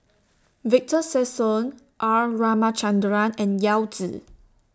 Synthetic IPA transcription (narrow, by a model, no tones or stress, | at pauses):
vik̚təsɛsɔ̃n | ʔaɹamat͡ʃãndɹãnɛ̃njawtḭ